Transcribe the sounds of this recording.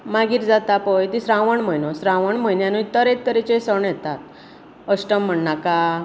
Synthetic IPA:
maɡiːɾd͡zat̪apəjt̪isɾãʋəɳm̤əjnosɾãʋəɳm̤əjnjanuit̪əɾet̪̚t̪əɾet͡ɕesəɳjɛt̪at̪̚ | əɕʈəm̤ːəɳːaka

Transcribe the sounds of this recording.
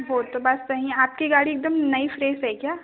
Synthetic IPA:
boːt̪ːobɐssɐɦĩaːp̚kiɡaːɽieːk̚d̪əmnɐifɾeːzɦɛkjaː

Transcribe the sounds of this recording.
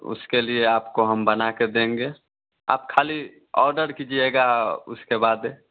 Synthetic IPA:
ʊ̰skelieaːpkoɦəmbənaked̪ẽːŋɡe | a̰ːp̚kʰaːli | ɔ̰ːɾɖəɾkid͡ʒieɡaʊ̰skebaːd̪e

